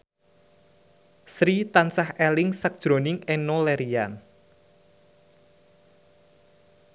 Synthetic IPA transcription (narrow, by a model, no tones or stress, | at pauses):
sɾit̪ansahelɪŋsək̚ʒ̥ɾo̤nɪŋenolɛɾian